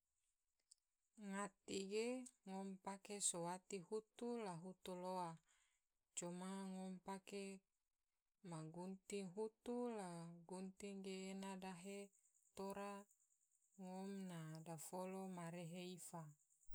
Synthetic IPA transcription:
ŋat̪iɡeŋompakesowat̪ihut̪ulaɦut̪uloa | t͡ʃomaŋompake | maɡunt̪iŋɦut̪ulaɡunt̪iŋɡeːnadaɦet̪oɾa | ŋomnadafolomaɾeɦeifa

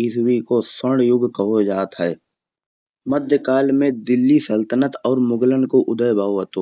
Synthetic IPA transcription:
iswikosəɽjʊɡkəɦod͡ʒaːt̪ɦɛː | məd̪ʱjəkaːlmẽd̪ɪlːisəlt̪ənət̪ɔːɾmʊɡlənkoʔʊd̪əjbʱaːɦət̪oː

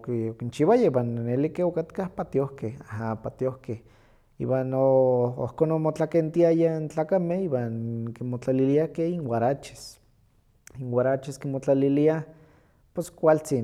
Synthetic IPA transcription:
kiokint͡ʃiwajaibwanːelikeokat̪kahpat̪iohkehaɦapat̪iohkeh | ḭːwanoo̰hkonomot͡ɬakent̪iajaint͡ɬaːkamehiwankimot͡ɬaliliakeinwaɾat͡ʃi̥s | iŋwaɾat͡ʃiskimot͡ɬalilia | pweskʷalt͡sin

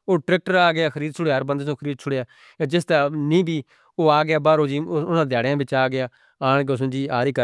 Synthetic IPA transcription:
oːʈɾɛːk̚ʈəɾaːɡɪaːkʰəɾiːd̪̚st͡ʃʰʊɽeːaːɾbənd̪eːsõːkʰəɾiːd̪̚t͡ʃʰʊɽeːaː | eːd͡ʒɪst̪aːnĩːbiː | oːaːɡɪjaːbaːɾoːd͡ʒiːʊnãːd̪jaːɽjãːbɪt͡ʃaːɡɪjaː | aːɳɡəsʊ̃ːd͡ʒiːaːɾiːkə

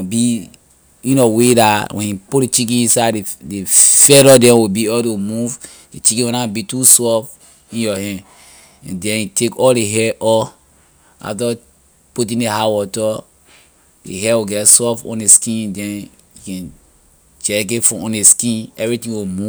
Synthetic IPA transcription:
bi | jĩnɔwedawʔɛ̃njiputet͡ʃik̬ĩĩnsadefɛɾɔdɛ̃wibiɔtomuv | det͡ʃikĩwonabitusɔf | ĩnjɔɦɛ̃n | ɛ̃ndɛ̃nitʰekɔldeɦɛʔɔ | a̰fta | put̬ĩndeɦawɔtɔ | dḛɦɛwiɡɛtsɔfɔ̰̃neskĩndɛ̃n | jukɛ̃n | d͡ʒɛk̬etfɔ̃ɔ̃neskĩnɛvɹitĩŋwimu

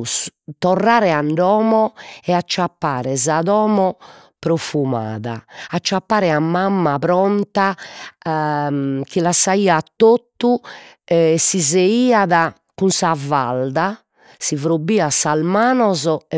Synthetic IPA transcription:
st̪ɔrːaːɾɛaɳɖɔːmɔɛat͡ʃːapːaːɾɛzaðɔːmɔ | pɾofuma̰ːða̰ːt͡ʃːapːaːɾɛamːamːapɾɔnt̪a | k̟ilasaiːat̪ːot̪ːu | ɛsizeiːaða | kunsavald̪a | sivɾobːiːasalmaːnɔzɔɛ

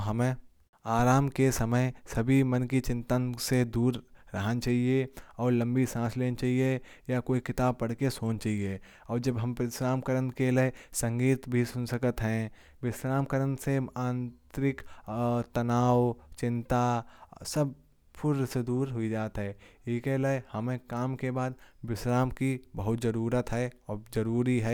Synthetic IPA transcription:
ɦəme | aːɾaːmkesəməjsɐbʱimənkit͡ʃɪ̃nt̪ansed̪uːɾːəɦənt͡ʃaːɦieɔːɾlə̃mbisãːsleːnt͡ʃaːɦie | jakoːikɪt̪aːb̚pɐɽ̤kesoːnt͡ʃaːɦie | ɔːɾd͡ʒəbɦɐ̃mpɪsɾaːmkəɾənkelesə̃ŋɡiːt̪bʱisʊnsəkət̪ɦɛ̃ | wɪsɾaːmkəɾənseãːnt̪ɾɪkt̪ɐnaːwt͡ʃɪ̃nt̪asəb̚ | pʰʊɾsed̪uːɾɦʊid͡ʒaːt̪ɦɛːeːkeləehəmẽkaːmkebaːd̪̚bɪsɾaːmkibəɦʊt̪zəɾuːɾət̪ɦɛɔːzəɾuːɾiɦɛː

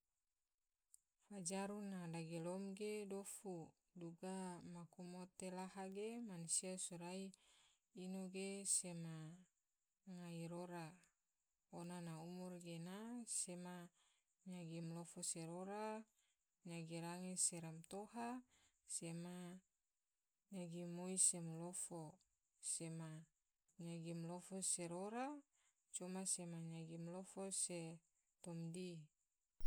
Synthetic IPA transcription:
fad͡ʒaɾunadaɡelɔmɡedofu | duɡamakumot̪elaɦaɡemanusiasuɾai | inoɡesema | ŋaiɾoɾa | onanaumurɡenasema | ɲaɡimlofoseɾoɾa | ɲaɡiɾaŋiseɾamt̪ohasema | ɲaɡimoisemlofo | sema | ɲaɡimlofoseɾoɾa | t͡ʃumasemaɲaɡimlofose | t̪ɔmdi

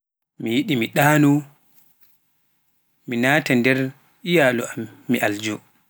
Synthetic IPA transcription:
mijiɗimiɗaːnu | minaːtandɛɾ | ʔijalɔamːiʔald͡ʒɔ

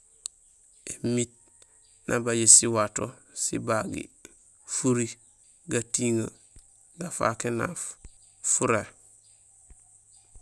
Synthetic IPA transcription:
emit̚ | nʔa̰baɟesiwato | sḭbaɡḭ | fuɾi | ɡatiŋa | ɡafa̰kena̰f | fuɾe

